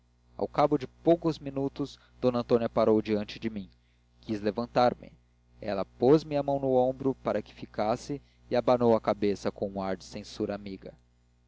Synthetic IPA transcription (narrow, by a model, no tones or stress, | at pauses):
a̰wkabʊd͡ʒɪpowkʊzminut̪ʊz | d̪̥õnɐ̃nt̪õniɐpaɾowd͡ʒiɐ̃nt͡ʃɪd͡ʒɪmĩŋ | kizlevɐ̃nt̪aɾmɪ̰ | ɛ̰lɐpozmiɐmɐ̃w̃nʊõbɾʊpaɾɐkɪ̥fikasɪː | abanowɐkabesɐkõũaɾd͡ʒɪsẽsuɾɐamiɡɐ